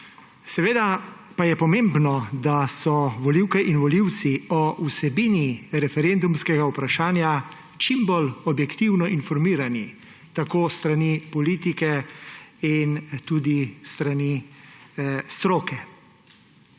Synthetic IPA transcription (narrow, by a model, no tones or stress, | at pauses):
sɛʋeːd̪a | pajɛpɔmeːmbnɔd̪asɔʋɔliwkɛʔinʋɔliw̪siɔʔusɛbiːniɾɛfɛɾend̪umskɛɡaupɾaʃaːnja | t͡ʃimbolɔbjɛkt̪iwnɔʔinfɔɾmiːɾani | t̪akoːst̪ɾanipɔliːt̪ikɛ | int̪ud̪ist̪ɾani | st̪ɾoːkɛ